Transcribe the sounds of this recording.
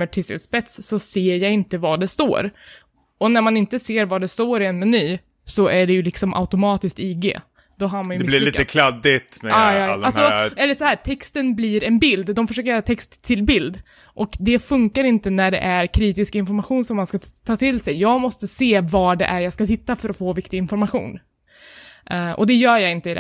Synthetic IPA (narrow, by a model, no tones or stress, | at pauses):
əʈʰɪsɛ̰spɛt̪sːɔseːɾjaɪnt̪əvaɖɛst̪o̰ːɾ | ɔnæɾmanɪnt̪əseːɾvaɖɛst̪oːɾɪɛnmɛnyː | sɔʔæɖɛjɵlɪksɔmʔa̰ʊt̪ʊmɑːt̪ɪsk̚t̪iɡḛː | d̪ɔɦaɾmmanjɪliːt̪əkʰlad̪ɪt̪mɛaɑalsɔɛlːəʂɔhæːtʰɛkst̪ənbliɾɛnbɪld̪d̪ɔmfœɾʂøːkəɾjœːɾat̪ʰɛkst̪ʰːɪlbɪld̪ | ʔɔkd̪ɛfɵŋkaɾɪnt̪ənæɖɛ̰ʔæɾkʰɾiːt̪ɪskaɪnfɔɾmaɧuːnsɔmːanskat̪ʰːɑːt̪ʰɪlsɛjːɑːɡmɔst̪əseːvɑːɖɛ̰ʔæɾjɑːskat̪ɪt̪ːafœɾɔfoːvɪkt̪ɪɡɪnfɔɾmaɧṵːn | ʔʔɔ̰d̪ɛjœːɾjɑːɪnt̪əɪd̪ɛ̰